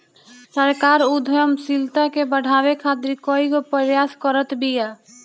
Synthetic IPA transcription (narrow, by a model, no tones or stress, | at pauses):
səɾkaːɾud̪ʱəjəmsilt̪akebəɽ̤ʱawekʰat̪ɾikɔiɡopəɾjaskəɾət̪bija